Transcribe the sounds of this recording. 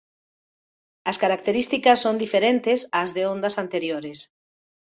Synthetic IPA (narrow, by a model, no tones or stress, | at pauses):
ɐskaɾak̚t̪eɾist̪ikɐsːond̪ifeɾent̪ɪsazðeõnd̪ɐsant̪eɾjoɾɪs